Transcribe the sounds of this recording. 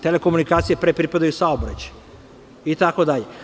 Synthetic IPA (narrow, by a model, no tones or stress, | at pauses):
t̪eleko̞munikaːt̪sijepɾepɾipad̪ajusaobɾa̰t͡ɕḁj | it̪ako̞d̪aʎe